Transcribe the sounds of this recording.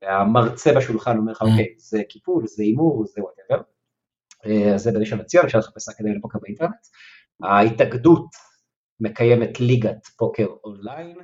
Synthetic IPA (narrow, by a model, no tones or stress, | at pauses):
veamaʁt͡sebaʃulχano̞meʁleχaokejzekipulzeimuʁzewat̪eveʁ | eazebeneʃenat͡sjonʃalχḁpesakedajlepo̞kebeinteʁnet | aitaɡdut | me̞kajemetliɡatpokeʁonlajn